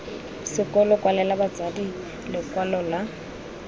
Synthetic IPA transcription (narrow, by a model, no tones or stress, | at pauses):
sɪkʼɔlɔkʼwalɛlabat͡sadi | lɪkʼwalɔla